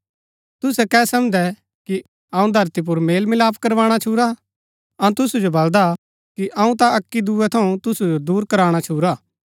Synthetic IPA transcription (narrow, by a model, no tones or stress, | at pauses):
t̪ʊsɛkɛːsɐmd̪ɛ | ki | ɐːũd̪ʱɐɾt̪ip̬ʊɾmeːlmɪlaːpʰkɐɾʋaːɽ̃at͡ʃʰuːɾa | ɐ̃t̪ʊsud͡ʒobɐld̪a | kiʔɐːũt̪aɐkːid̪uːɛt̪ʰɐũt̪ʊsud͡ʒod̪uːɾkɐɾaːɽ̃at͡ʃʰuːɾaː